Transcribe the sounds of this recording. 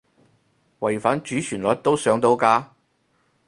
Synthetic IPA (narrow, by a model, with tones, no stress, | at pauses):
wɐ˨˩jfaː˨˥nt͡ʃyː˨˥t͡ʃʰyː˨˩nlɔː˨t̚t̪o˥wsœː˨˥ŋt̪o˨˥wkaː˧